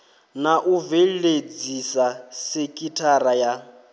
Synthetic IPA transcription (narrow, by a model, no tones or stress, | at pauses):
naʔuvɛled͡zisasekʼitʰaɾaja